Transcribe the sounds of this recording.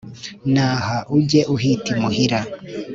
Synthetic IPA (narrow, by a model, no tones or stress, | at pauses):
naːhaʔuɟe̞ʔuɦitimuhiɾa